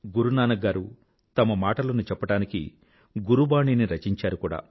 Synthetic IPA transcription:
ɡuɾunaːnɐɡaːɾu | t̪ɐmɐmaːʈɐlɐnut͡ʃɛpːɐʈaːnikḭ | ɡuɾubaːɳiniɾɐt͡ʃiɲt͡ʃaːɾukuːɽa̰ː

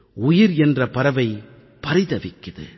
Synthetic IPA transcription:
ʊjɪɾɛndrɐpɐɾɐʋɐɪ | pɐɾɪðɐʋɪkːɐðɯ̰

